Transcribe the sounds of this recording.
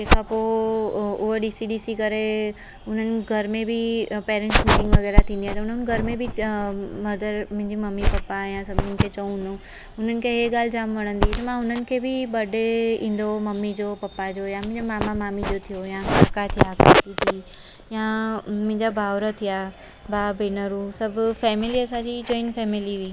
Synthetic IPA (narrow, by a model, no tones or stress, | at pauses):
eːkapo | ʊɦəɖiːsiɖiːsikɐɾe | ʊn̤ənɪ̆ɡʱɐɾmẽbʱipeːɾẽɳʈsmiːʈɪ̃ŋɡʋɐɣɛːɾat̪ʰĩːnd̪ijãt̪ɐʊn̤ən̆ɡʱɐɾmẽbʱi | mɐd̪əɾmɪ̃ɪ̃ɲd͡ʑimɐmːipɐpːajãsɐbʱnənɪ̆kʰet͡ɕɐũnd̪õ | ʊn̤ənɪ̆kʰeɦeɠaːl̤ɪd͡ʑaːmʋɐɽ̃ə̃nd̪it̪ɐmãʊn̤ənɪ̆kʰebʱiɓɐɖʱeĩːn̆d̪omɐmːid͡ʑopɐpːad͡ʑojãmɪ̃d͡ʑomaːmamaːmid͡ʑot̪ʰijojãkat̪ʰijaːka̰t̪it̪ʰiː | jãmɪ̃ɪ̃ɲd͡ʑabʱaːʋɾət̪ʰija | bʱaːbeːnəɾũsɐbʱʊfɛːmɪliɐsãːd͡ʑid͡ʑõːinfɛːmɪliʋiː